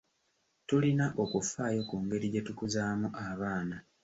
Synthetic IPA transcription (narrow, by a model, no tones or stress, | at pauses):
tulinaʔo̞kufaːjo̞kuːŋɡe̞ɾiɟe̞tukuzaːmuʔaβaːna